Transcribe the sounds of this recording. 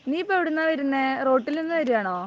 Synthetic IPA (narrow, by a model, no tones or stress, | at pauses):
niːpːɐʋiɽunːɐʋɐɾunːero̞ːʈːilninːɨʋɐɾijaːɳoː